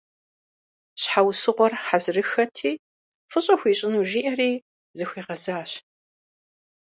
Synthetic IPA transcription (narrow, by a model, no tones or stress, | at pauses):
ɕħawsɨʁʷɔrħazrɨxɐtʰiː | fɨɕʼɐxʷiːɕʼɪnuːʒiːʔɐriː | zɨxʷiːʁɐzaːɕ